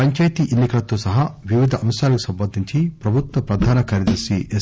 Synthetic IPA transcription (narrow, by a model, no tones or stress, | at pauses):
ɐɲt͡ʃɐjt̪iʔenːikɐlɐt̪oːsɐɦɐʋiʋid̪ʱɐʔɐmsjaːlɐkusɐmpɐnd̪ʱiɲt͡ʃipɾɐbʱut̪ʋɐpɾɐd̪ʱaːnɐkaːɾjɐd̪ɐɾsie